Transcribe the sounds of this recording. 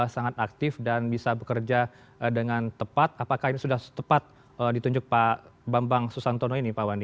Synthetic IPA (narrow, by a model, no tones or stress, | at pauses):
əsaŋat̪ak̚t̪ɪfdanbisabəkərd͡ʒa | dəŋant̪əpat̪̚apakahinisudaht̪əpat̪̚ | ədit̪uɲd͡ʒʊk̚pabambaŋsusant̪onoinipawandi